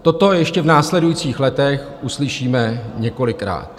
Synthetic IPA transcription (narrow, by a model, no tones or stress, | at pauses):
t̪o̞t̪o̞jɛʃcɛvnaːslɛdujit͡siːxlɛt̪ɛx | ʔuslɪʃiːmɛɲɛko̞lɪkɾa̰ːt̪